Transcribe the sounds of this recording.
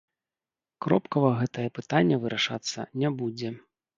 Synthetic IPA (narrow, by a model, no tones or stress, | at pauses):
kɾɔpkɐvɐɣɛt̪ɐjɛpɨt̪anʲːɛvɨɾʔaʂa̰t̪sːɐ̰nʲabud͡zʲɛ